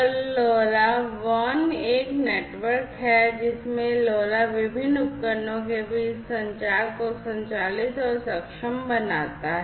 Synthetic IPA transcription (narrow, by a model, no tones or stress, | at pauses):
lɔːlaʋɔneːkneːʈʋəɾkɦɛd͡ʒɪsmẽloːlaʋɪbʱɪnːʊkːəɾnõk̬ebʱisɐ̃ɲt͡ʃaːɾkosɐ̃ɲt͡ʃaːlɪt̪ɔːɾsɐkʃəmbɐnaːt̪aɦɛ